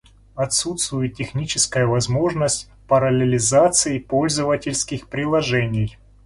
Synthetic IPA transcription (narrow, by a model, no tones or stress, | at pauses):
ɐt̪sut̪st̪vʊjɪttʲːɪxnʲit͡ɕɪskəjəvɐzmo̞ʐnəsʲtʲ | pəɾɐlʲɪlʲɪzat̪sɨjɪpo̞lʲzəvətʲɪlʲskʲɪxpɾʲɪlˠɐʐɛnʲɪj